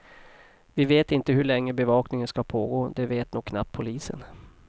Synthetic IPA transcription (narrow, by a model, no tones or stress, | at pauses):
vɪveːt̪ɪnt̪əɦɵɭɛŋːəbɛvɑːknɪŋənskapʰoːɡoːd̪ɛveːt̪nuːɡ̚kʰːna̰p̚t̪̚pʰːʊliːsə̰n